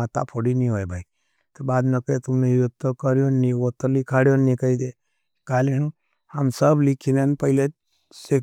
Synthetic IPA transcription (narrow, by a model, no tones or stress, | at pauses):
at̪a̰pʰoɽinĩɦoːjbʱai | t̪obaːd̪nekəet̪ʊmneut̪ːokəɾjonːĩot̪əlikʰaɽjonːĩkəid̪e | kalenũ | hamsəblikʰinenpəɦɪle | se